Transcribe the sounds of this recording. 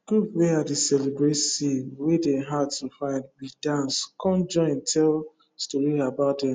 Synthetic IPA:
ɡ̥upweadesɛlebɹetsiwedɛɦadtʰufãɪ̃ndwidãnskʰɔ̃nd͡ʒɔ̃ɪ̃ntʰɛl | stɔɹiabaʊtdɛ̃m

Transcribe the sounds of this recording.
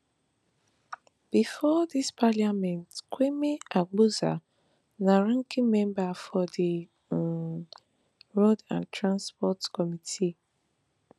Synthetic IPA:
b̥ifɔdispʰaliamɛ̃ntkʰʷwemeaɡ͡buza̰ | naɹãŋkĩmɛ̃mbafɔdi | ɹodã̰ntʰɹãnspɔtkɔmitʰi

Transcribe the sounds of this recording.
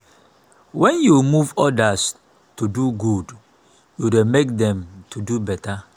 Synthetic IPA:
wɛ̃njumuvɔdas | tuduɡud | judemek̚dɛ̃mtʰudubɛtʰa

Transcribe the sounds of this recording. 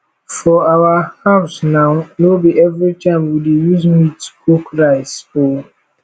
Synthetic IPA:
fɔawahaʊsnaʊnobiɛvɾit͡ʃãmwidejuzmitu̥kokɾaɪso

